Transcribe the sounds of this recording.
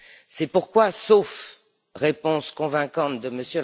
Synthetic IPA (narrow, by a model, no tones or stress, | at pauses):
sɛpuʁkwasof | ʁepɔ̃skɔ̃vɛ̃kɑ̃t̪d̪əməsjøl